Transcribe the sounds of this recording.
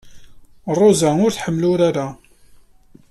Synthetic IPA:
rˤːozaʊɾθħəmːlʊɾaɾa

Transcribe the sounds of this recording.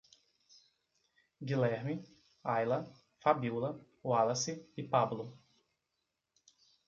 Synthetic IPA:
ɡilɛɾmi | ajlɐ | fabiuwlɐ | walɐsɪɪpablʊ

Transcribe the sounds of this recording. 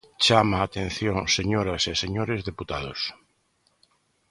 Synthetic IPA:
t͡ʃamaːt̪ẽn̟θjõŋseɲoɾaseseɲoɾezðeput̪að̞os

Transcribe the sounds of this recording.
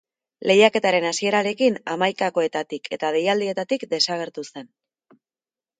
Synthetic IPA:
le̞jake̞t̪aɾe̞nasie̞ɾaɾe̞kinamajkako̞e̞t̪at̪ikʰe̞t̪að̞e̞jald̪ie̞t̪at̪ikd̪e̞saɣ̞e̞ɾt̪use̞n

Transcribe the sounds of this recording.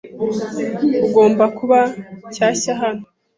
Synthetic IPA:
uɡo̞ːmbakuβacaːɕaɦano

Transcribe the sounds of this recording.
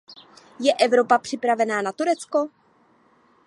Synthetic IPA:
jɛʔɛvɾo̞papr̥ɪpɾavɛnaːnat̪uɾɛt͡sko̞

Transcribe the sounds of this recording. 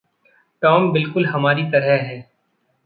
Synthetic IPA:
ʈɔːmbɪlkʊlɦɐmaːɾit̪ɐɾɛɦɦɛː

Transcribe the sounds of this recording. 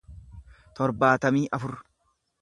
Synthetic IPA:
t̪ɔɾbaːt̪ɐmiːʔɐfʊɾ

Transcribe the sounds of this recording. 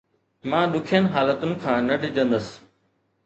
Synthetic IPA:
mãːɗ̪ʊkʰijənɪ̆ɦaːlət̪ʊnɪ̆kʰãːnɐɖʱɪd͡ʑə̃nd̪əs

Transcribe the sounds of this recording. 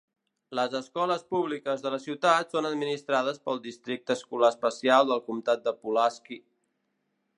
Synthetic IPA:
ləzəskɔləspuβlikəzðələsiwt̪at̪sonəd̪minist̪ɾaðəspəlˠd̪ist̪ɾik̚t̪əːskulaəspəsialˠd̪əlˠkumt̪at̪̚d̪əpulaski

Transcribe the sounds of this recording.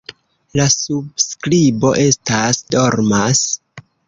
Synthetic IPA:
lasub̚skɾibo̞ʔe̞stasdoɾmas

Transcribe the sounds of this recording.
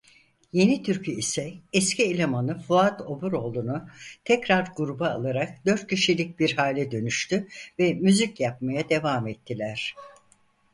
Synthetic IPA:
je̞nit̪ʰyɾcʰyisɛɛscielʲemanɯfuat̪o̞buɾo̞ːlˠunut̪ʰɛcɾaɾɡuɾubaːlˠaɾak̚d̪̥ø̞ɾt̪̚cʰiʃilʲic̚biɾhaːlʲɛd̪ø̞nyʃt̪ʰyvɛmyzicjapmajad̪e̞vaːmɛt̪ʰːilʲæɾ̥

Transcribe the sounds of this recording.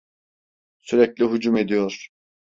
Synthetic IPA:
syɾɛclʲiɦud͡ʒume̞d̪ijoɾ̥

